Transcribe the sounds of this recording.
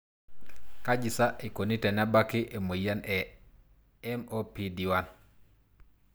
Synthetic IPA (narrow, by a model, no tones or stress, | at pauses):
kad͡ʒisaʔikonitɛnabakiʔemojanɛ | ɛmopidiwan